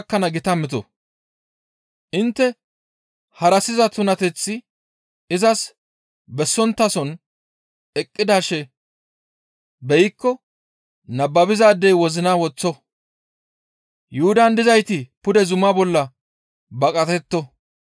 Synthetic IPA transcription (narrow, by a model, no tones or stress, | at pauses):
kːɐnɐɡɪt̪ɐmːɪt̪ɔ̰ | ʔɪnt̪ːɛ | hɐɾɐsɪzɐt̪ʊnɐt̪ɛt͡sːɪ | ɪzɐs | bɛsːɔnt̪ːɐsɔn | ɛkʼːɪd̪aːʃɛ | bɛjɪkːɔ | nɐbːɐbɪzaːd̪ːɛjwɔzɪnawɔt͡sːɔ | jʊhʊd̪ɐnd̪ɪzɐjt̪ɪpʊd̪ɛzʊmabɔlːɐ | bɐkʼɐt̪ɛt̪ːɔ